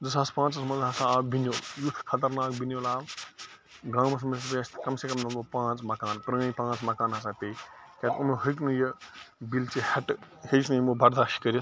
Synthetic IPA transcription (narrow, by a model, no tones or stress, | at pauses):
d͡zɐsaːspãːt͡ssɐmɐnd̪ʱɦasaaːbinjoːljut̪ʰːkʰɐt̪ɐɾnaːk̚binjoːlaːb | ɡãːmɐs̬mɐspeɐst̪ʰkɐmsekɐmnɐmopãːt͡smɐkaːnpɾɐŋɐjpãːt͡smɐkaːnɦasaːpejkʲet̪unuɦəjk̬nujɐbilt͡siheʈhejt͡ʃʰnujmubʱɐɾd̪aːʃkɐɾjɐ